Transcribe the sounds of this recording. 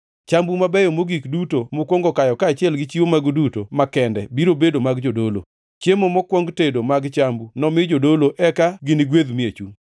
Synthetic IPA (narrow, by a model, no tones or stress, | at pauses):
t͡ʃambumabɛjomoɡikdutomokwɔŋɡɔkajɔkaːt͡ʃɪɛlɡɪt͡ʃiwomaɡdutomakɛndɛbiɾobedomaɡd͡ʒodolo̰ | t͡ʃemomɔkwɔŋɡtedomaɡt͡ʃambunɔmɪd͡ʒodoloʔɛkaɡɪnɪɡweðmiet͡ʃuŋ